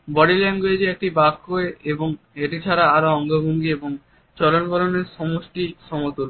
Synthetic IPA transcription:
bɔɽilɛnɖɡoed͡ʑiek̚ʈibakːoeeboŋ | eʈit͡ɕʰaɾaaɾoɔŋɡobʱoŋɡieboŋ | t͡ɕɔlonbɔloneɾʃɔmoʃʈiʃɔmot̪oɾ

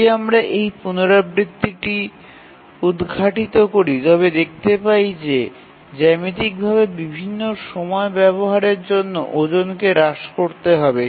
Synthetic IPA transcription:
amɾaʔejpunoɾabɾit̪ːiʈi | ud̪ɡʱaʈit̪okoɾit̪ɔβed̪ek̚ʰt̪epajd͡ʑe | d͡ʑɛmit̪̬ik̚bʱaβebibʱinːoʃɔmɔebɛboɦaɾeɾd͡ʑonːo̰ʔod͡ʑonkeɾaʃkoɾt̪eɦɔbe

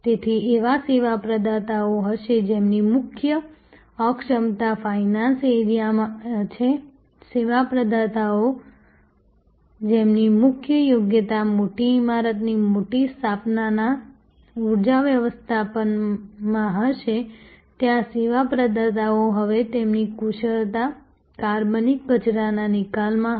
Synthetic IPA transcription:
t̪et̪ʰiʔeʋaseʋapɾəd̪ʱat̪aoɦəʃed͡ʒemnimʊkʰjə | əkʃəmt̪afajnãnseɾijamt͡ʃʰe | seʋapɾəd̪ʱat̪ao | d͡ʒemnimʊkʰjəjoɡjət̪amoʈiːmaɾət̪nimoʈist̪ʰapnana | uɾd͡ʒaʋjəʋəst̪ʰapənmãɦəʃet̪jãseʋapɾəd̪ʱat̪aoɦəʋet̪emnikuʃəɭt̪a | kaɾbənik̚bət͡ʃɾananɪkalmã

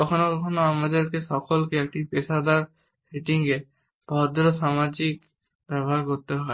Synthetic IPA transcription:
kɔkʰɔnokɔkʰɔnoamad͡ʒeɾkesɔkɔlkeek̚ʈipesad̪aɾ | seʈiŋke | b̥ʱɔd̪ɾɔsamad͡ʒik | pɾɔbʱabkoɾt̪eɦɔe

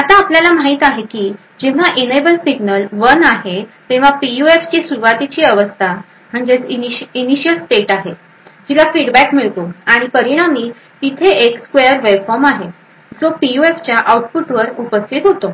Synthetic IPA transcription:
at̪aːpljalamaɦit̪aɦekiː | d͡ʑeʋ̤aʔinebəlsiɡnəlʋənaɦet̪ẽʋ̤apijueft͡ɕesuɾʋat̪it͡ɕiːəʋəst̪ʰa | m̤əɳd͡zet͡siniɕijəlsʈeʈaɦe | d͡ʑilafiɖbækmiɭt̪oaɽ̃ipəɾiɽ̃amiː | t̪it̪ʰeekskʋejəɾʋebfɔɾmaɦe | d͡zopijueft͡ɕjaʔauʈ̚puʈʋəɾupəst̪ʰit̪ɦot̪o

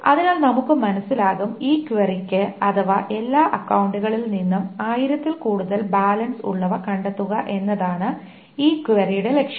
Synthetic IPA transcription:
ɐ̰ðinaːɭnɐmukːɨmɐnɐsːilaːɣumiːkʋɐrikʲːɨɐðɐʋɐʔe̞lːaːʔɐkːɐwuɳɖuɣɐɭilninːumaːjiɾɐt̪ːilkuːɽuðɐlbaːlɐnsṵɭːɐʋɐkɐɳɖɐt̪ːuɣɐʔe̞nːɐðaːɳɨ | iːkʋɐrijuɽele̞kʂɐ

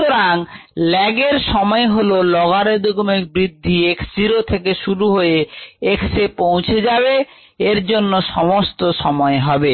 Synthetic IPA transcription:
t̪oɾaŋlɛɡeɾʃɔmɔeɦololɔɡaɾed̪ʱoɡomekbɾid̪ʱːiekd͡ʑiɾot̪ʰekeʃuɾuɦojeeksepõw̃t͡ɕʰed͡ʑaβe | eɾd͡ʑonːoʃɔmost̪oʃɔmɔeɦɔbe

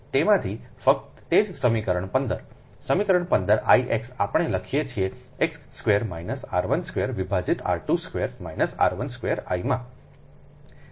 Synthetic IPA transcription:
t̪emãt̪ʰifək̚t̪ːed͡ʒsəmikəɾəɳpənd̪əɾ | səmikəɾəɳpənd̪əɾa̰iʔeksapəɳ̃eləkʰijet͡ʃʰie | eksskʋeəɾmajnəsa̰ɾʋənskʋeəɾʋibʱad͡ʒit̪a̰ɾʈuskʋeɾmajnəsa̰ɾʋənskʋeəɾa̰jmã

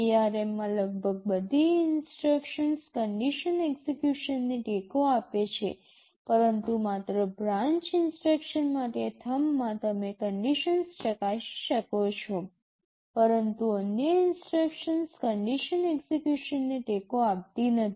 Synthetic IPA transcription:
iaɾemːãləɡ̚bʱəɡ̚bəd̪ʱiɪnsʈɾəkʃənskəɳɖiʃəneɡsekjuʃənːeʈekoapet͡ʃʰe | pəɾənt̪umat̪ɾəbɾãɲt͡ʃɪnsʈɾəkʃənmaʈet̪ʰəmːãt̪əmekəɳɖiʃənsʃəkaʃʃəkot͡ʃʰo | pəɾənt̪uənjəɪnsʈɾəkʃənskəɳɖiʃəneksekjuʃənːeʈekoap̚t̪inət̪ʰ

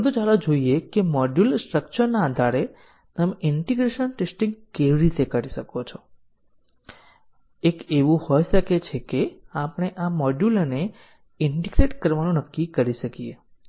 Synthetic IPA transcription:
əd̪ũt͡ʃalod͡ʒoiekemɔɖjulsʈɾək̚t͡ʃəɾnaːd̪ʱaɾe | t̪əmɪɳʈiɡɾeʃənʈesʈĩŋɡkeʋiɾit̪ekaɾiʃəkot͡ʃʰo | ekeʋũhɔjʃəket͡ʃʰekeapəɽ̃eʔamɔɖjulne | ɪɳɖiɡɾeʈkəɾʋanũnəkːikəɾiʃəkie

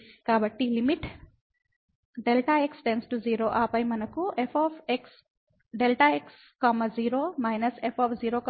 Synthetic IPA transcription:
kaːbɐʈːilimiʈ | ɖelʈaeksʈensʈud͡ʒiːɾoːʔaːpɐjmɐnɐkuepʰoːpʰeks | ɖelʈɐeks | kɐmɐd͡ʒiːɾoːmɐjnɐsepʰoːpʰd͡ʒiːɾoːk

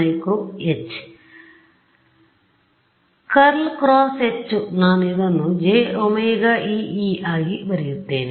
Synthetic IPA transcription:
jkɾuet͡ʃː | kɐɾlkɾaːset͡ʃːunaːneːd̪ɐnːud͡ʒeːomɐjɡaːʔiːiːaːɡiʋɐɾijit̪ːeːni

